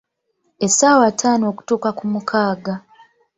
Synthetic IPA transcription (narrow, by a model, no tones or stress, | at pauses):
esaːwatʰaːnoku̥tuːkakumukʰaːɡa